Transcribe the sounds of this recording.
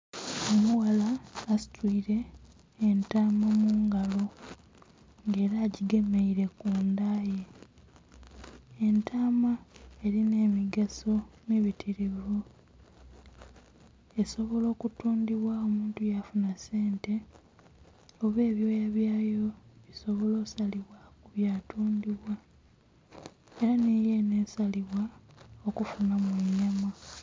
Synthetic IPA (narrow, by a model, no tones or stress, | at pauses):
omuwalaːsi̥twiːɾe̞ː | ntaːmamuːŋɡalo̞ | ŋɡe̞ːɾaːɟiɡe̞meiɾe̞kuːndaːje | entʰaːmae̞ɾine̞ːmiɡaso̞miβitʰiɾivu | e̞so̞βo̞lo̞ːkutuːndiβwao̞muːntujafunase̞ːnte̞ | oβe̞ːβjo̞ːjaβjaːjo̞βiso̞βo̞lo̞ːsaliβwakuβjatuːndiβwa | e̞ɾanije̞ne̞ːsaliβwaokufunamweɲama